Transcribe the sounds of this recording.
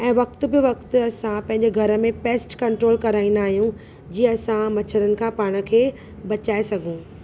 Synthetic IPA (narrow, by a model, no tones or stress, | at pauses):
ɛ̃ːʋɐk̚t̪̆bɪʋɐk̚t̪ʊɐsãpɐ̃ɦɪ̃ɲd͡ʑeɡʱɐɾə̆mẽpeːsʈkɐ̃ɳʈɾoːlkɐɾaːĩnd̪aːɦijũ | d͡ʑiːɐsãmɐt͡ɕʰəɾənɪ̆kʰãːpaːɽ̃ə̆kʰeː | bɐt͡ɕaːesɐɡʱũː